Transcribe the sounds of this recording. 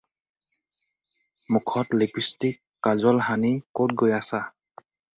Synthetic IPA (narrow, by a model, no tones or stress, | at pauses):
mukʰɔtleɡistikːazɔlɦanikot̚ɡojasa